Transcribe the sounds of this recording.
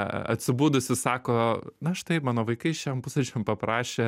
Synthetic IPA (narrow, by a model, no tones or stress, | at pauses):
ɐ̰t̪ʲsʲɪbuːd̪ʊsʲɪsɑːkoːnɐʃt̪ɐɪpmɑːnoːʋɐɪkɐɪʃʲɛmpʊsɛt͡ʃʲɛmpɐpɾɑːʃʲeː